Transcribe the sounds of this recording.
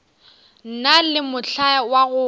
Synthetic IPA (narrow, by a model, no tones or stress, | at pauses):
n̩nalɪmʊɬawaɣʊ